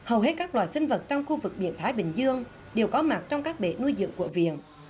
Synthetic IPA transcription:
hə˨˩wɦe˨˦˥t̚kaː˦˥k̚lwaː˧˨jsï˧ŋ̟və˨˩t̚t͡ɕɔ˧wŋ͡mxu˧vɨ˨˩k̚ɓḭ˧˨ənt̪ʰaː˨˦jɓï˨˩ŋ̟zɨ˧əŋ | ɗe˨˩wkɔ˨˦ma˨˩t̚t͡ɕɔ˧wŋ͡mkaː˦˥k̚ɓḛ˧˨nu˧jzɨ̰˧˨əŋku˧˩əvḭ˧˨ən

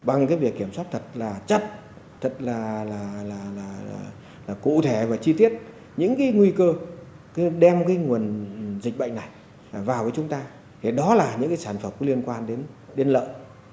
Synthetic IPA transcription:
ɓa˨˩ŋkaː˨˦jvi˨˩əkːi˧˩əmswaː˦˥t̚t̪ʰə˨˩t̚laː˨˩t͡ɕə˦˥t̚ | t̪ʰə˨˩t̚laː˨˩laː˨˩laː˨˩laː˨˩a̰ː˨˩ | laː˨˩kṵ˧˨t̪ʰe˧˩vaː˨˩t͡ɕi˧t̪i˦˥ət̚ | ɲɨ̰˧˥ŋkaː˨˦jŋwi˧kəː˧ | kɗɛ˧mk̬aː˨˦jŋu˨˩ənzi˨˩k̚ɓə̰˧˨ŋ̟na˨˩j | vaː˨˩wvəː˨˦jt͡ɕʊ˨˦ŋ͡mt̪aː˧ | t̪ʰe˨˩ɗɔ˨˦laː˨˩ɲɨ̰˧˥ŋkaː˨˦jsaː˧˩nfə˧˩m˦li˧ənkwaː˧nɗe˨˦nɗe˧nlə̰ː˧˨

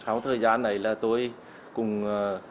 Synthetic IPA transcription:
saː˨˦wt̪ʰəː˨˩jzaː˧nːa˨˧˩jlaː˨˩t̪o˧j | kʊ˨˩ŋ͡m

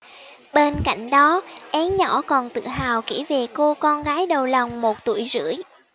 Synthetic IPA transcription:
ɓe˧nka̰˧˩jŋ̟ɗɔ˨˦ʔɛ˨˦nɲɔ˧˩kɔ˨˩nt̪ɨ̰˧˨ɦaː˨˩wkḭ˧˩əve˨˩ko˧kɔ˧nɣaː˨˦jɗə˨˩wlə˨˩wŋ͡mmo˨˩t̚t̪ṵ˧˩əjzɨ̰˧˥əj

